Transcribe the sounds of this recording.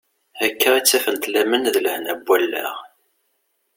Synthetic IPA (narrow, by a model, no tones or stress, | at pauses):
ækʰːəʁit͡sːæfənt̪læmənðləhənæbʷːælːæ̰ʁ